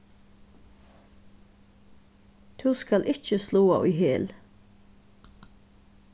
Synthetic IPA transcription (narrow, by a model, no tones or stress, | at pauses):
t̪ʰuːskalʔɪht͡ʃəsluːaʔʊ̰jɦeːl